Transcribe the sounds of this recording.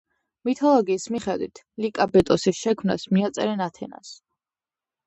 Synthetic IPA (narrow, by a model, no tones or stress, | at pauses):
mit̪ʰɔlˠɔɡiːsmiχɛd̪wit̪ʰ | likʼabɛt̪ʼɔsisʃɛkʰmna̰smiat̪sʼɛɾɛnat̪ʰɛna̰s